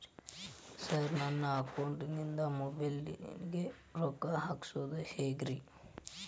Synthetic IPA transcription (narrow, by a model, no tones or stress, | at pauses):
sɐɾnɐnːɐɐkɐwɳʈinind̪ɐmɔbɐlɡe | ɾokaɦaːksoːd̪uheːɡɾi